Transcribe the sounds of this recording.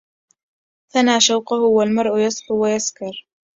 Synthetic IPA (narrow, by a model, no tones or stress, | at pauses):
θanaːʃawqʊhʊwalmɑɾˤʔʊjɑsˤħʊwajaskɑɾˤ